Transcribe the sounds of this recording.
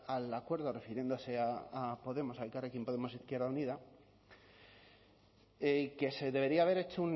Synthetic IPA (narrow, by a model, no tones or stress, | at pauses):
alakwe̞ɾð̞o̞re̞fiɾje̞nd̪o̞se̞aapo̞ðe̞mo̞salkarekjempo̞ðemo̞siθkje̞ɾðauniða | eke̞seðe̞β̞e̞ɾiaːβe̞ɾe̞t͡ʃoun